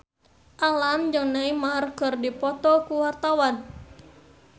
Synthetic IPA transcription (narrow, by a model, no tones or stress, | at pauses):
ʔalamd͡ʒɨŋnaimaɦarkərdipɔt̪ɔkuwart̪awan